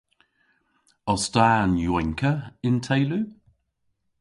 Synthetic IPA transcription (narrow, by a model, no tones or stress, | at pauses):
ɔstaːnjwɛŋkʰəɪntʰɛɪlʉ